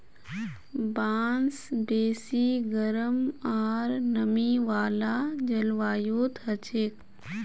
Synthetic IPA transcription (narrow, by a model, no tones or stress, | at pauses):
baːnsbeːsiɡəɾəmaːɾnəmiʋaːlaːd͡ʒɐlʋaːjoːt̪ɦɐt͡ʃeːk